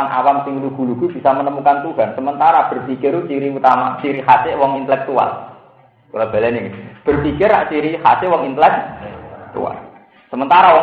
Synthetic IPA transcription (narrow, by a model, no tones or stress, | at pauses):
aŋʔa̰wamsɪŋluɡ̥ṳluɡ̥ṳb̥i̤samənəmukant̪uɦansəmənt̪aɾab̥ə̤rpikɪrut͡ʃiɾiut̪ama̰t͡ʃiɾihasɪʔwɔŋint̪əlɛk̚t̪ua̰l | kulab̥alɛniɡib̥ərpikɪrːaʔt͡ʃiɾihasɪwɔŋint̪əlɛk̚t̪ṵa̰l | səmənt̪aɾawɔ